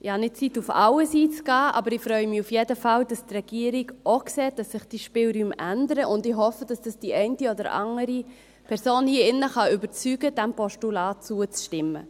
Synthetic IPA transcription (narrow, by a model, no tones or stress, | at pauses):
ɪhɑnɪt̚t͡sitːufɑ̰wəsiːt͡skɑːʔɑ̰bəɾɪfɾœʏəmiufjedəfɑld̥ɑstrɛɡ̥iəɾiɡʔoksɛːt̚d̥ɑsːɪχd̥iːʃpɪlɾyːmʔændəɾəʔʊndɪɦɔfədɑsd̥ɑsd̥iʔɛɪntiɔdəɾʔɑ̰ŋəɾi | pʰɛɾsoːnhiːəɪnːəχɑybət͡syːɡəd̥ɛmpɔʃtulɑːt̚t͡suət͡sʃtɪmːə̰